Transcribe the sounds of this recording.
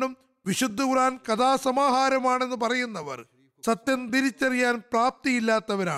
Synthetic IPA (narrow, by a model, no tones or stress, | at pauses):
ɳum | ʋiɕud̪ʱːuɡraːnkɐd̪aːsɐmaːɦaːɾɐmaːɳe̞nːɨpɐrɐjunːɐʋɐ̰r | sɐt̪jɐnt̪iɾit͡ɕːɐrijaːnpraːp̚t̪ijilːaːt̪ːɐʋɐɾa̰ː